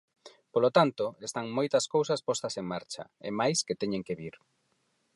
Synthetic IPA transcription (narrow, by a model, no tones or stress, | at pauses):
polot̪ant̪oest̪aŋmojt̪ɐskowsɐspɔst̪ɐseŋmaɾt͡ʃɐ̰ḛmajsket̪ɛɲeŋkeβiɾ